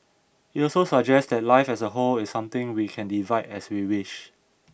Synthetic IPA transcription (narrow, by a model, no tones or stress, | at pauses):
hiɔlsosəd͡ʒɛstdɛt̚laɪfɛsəɦolɪsːãmt̪ɪ̃ŋwikʰɛ̃ndivaɪdɛswiwɪʃ